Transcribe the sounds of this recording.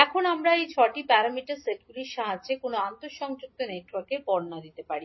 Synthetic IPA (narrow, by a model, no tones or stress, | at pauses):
ɛkʰonamɾaejt͡ɕʰɔʈipɛɾamiʈaɾseʈɡuliʃʃaɦad͡ʑekonoant̪oʃɔŋd͡ʑuk̚t̪oneʈwaɾkeɾpɔɾnad̪it̪epaɾi